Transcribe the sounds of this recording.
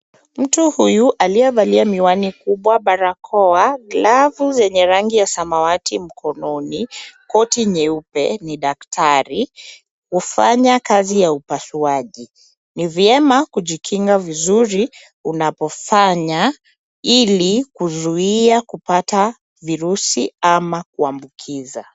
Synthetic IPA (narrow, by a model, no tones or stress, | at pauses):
m̩tuhujuʔaliɛvaliamiwanikuɓwaɓaɾakʰɔaɡlavuzɛɲɛɾaŋɡijasamawatim̩kʰɔnɔnikɔtiɲɛupɛ̰niɗak̚tʰaɾi | kufaɲakazijaupasuaʄi | nivjɛmakuʄikʰiŋɡavizuɾi | unapɔfaɲa | ilikuzuiiakupata | viɾusiamak̚uambukʰiza̰